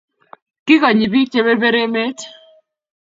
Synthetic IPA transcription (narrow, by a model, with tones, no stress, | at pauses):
kɪ˦kɔ˨ɲi˨bi˦t͡ʃe˦be˦be˦ɾe˦me˦t